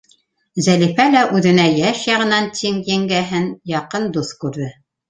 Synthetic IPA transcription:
zælifælæʔʉðɘ̆næjæʃjɑʁɤ̆nɑnt̪ʰiŋjæŋɡæɦɘnjɑqɤnd̪uθkʉɾðɘ

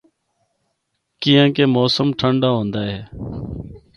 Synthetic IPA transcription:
kiːjãːkeːmoːsəmʈʰəɳɖaːɦõːnd̪aːɦeː

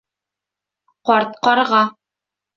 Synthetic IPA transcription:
qɒɾt̪̚qɒɾʁɑ

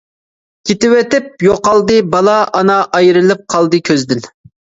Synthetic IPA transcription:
kʲʰet̪ɪwɛt̪ɪp̚joqɑlˠd̪ɨbɑlˠɑʔɑnɑʔɑjɾɨlˠɨp̚qʰɑlˠd̪ɨkʲʰøzd̪ɪl

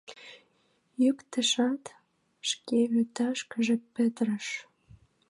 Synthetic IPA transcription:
jykt̪ə̆ʃɑt̪ | ʃkeyt̪ɑʃkəʒepə̆t̪ɾəʃ

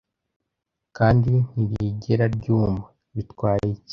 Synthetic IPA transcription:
kaːndin̥iβiɟeɾaɾɟuːma | βitwaːɾeici̥

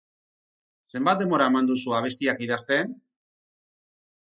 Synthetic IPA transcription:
se̞mbat̪̚d̪e̞mbo̞ɾaemand̪usuaβ̞e̞st̪iakiðast̪e̞n

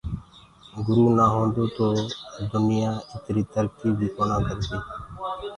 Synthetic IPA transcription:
ɡʊɾuːnaːɦõːnd̪oːt̪oːd̪ʊnɪjãːɪt̪ɾiːt̪əɾkiːbʱiːponãːkəɾd̪iː

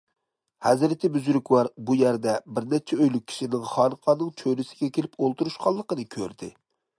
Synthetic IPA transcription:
hɛzɾɪt̪ʰɪbyzɾykʲwɑɾbujæɾd̪ɛbɪɾnɛt͡ʃʰɛøjlyk̚ʲʰːi̥ʃinɪŋχɑnqʰɑnːɨŋt͡ʃʰøɾɪsɪ̥ɡʲɛkʲʰelɪpolˠt̪uɾuʃqʰɑlˠːəqənɨkʲʰøɾd̪ɪ

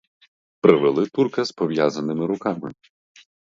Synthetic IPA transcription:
pɾɪʋelˠɪt̪urkɐspɔʋjazɐnɪmɪɾʊkɑmɪ̰

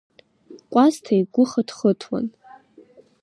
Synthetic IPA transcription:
kʷʼaztʰajɡʷʊχadχətʰwa̰n

